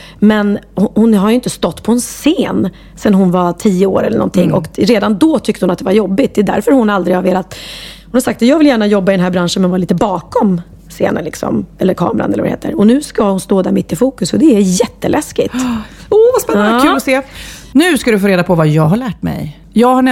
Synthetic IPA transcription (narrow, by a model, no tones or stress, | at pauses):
mɛnhʊhʊnɦaɾjʏɪnt̪əst̪ɔt̪ːpʰɔɛnseːn | sɛnɦʊnvat̪ʰiːjəo̰ːɾɛləɳʔɔ̰nt̪ʰɪŋːʔɔnkɾeːd̪and̪ɔːt̪ʰʏk̚t̪əhʊnat̪̚d̪ɛvaɾjɔbːɪt̪d̪ɛːd̪æ̰ɾfœɾhʊnald̪ɾɪhaɾveːlat̪hʊnhaɾsak̚t̪jɑːɡvɪljæːɳajɔbːaɪd̪ɛnɦæːɾbɾanʂənmɛnvaːliːt̪əbɑːkɔm | sḛːnə̰nlɪ̰ksɔ̰mɛlːəɾkʰɑ̰ːmɾa̰nɛlːəv̰a̰ɾ̰hḛːt̪ə̰ɾɔnʉ̟ːskahʊnst̪oːd̪æɾmɪt̪ːɪfuːkɵsɔd̪ɛæjɛt̪ːəlʔɛskɪtovaspɛnːnkʉːlɔseː | nʉ̟ːskad̪ɵfoːɾeːd̪apʰɔvajɑːɡɦaɭæːʈ̚mɛ̰j | jɑːɡha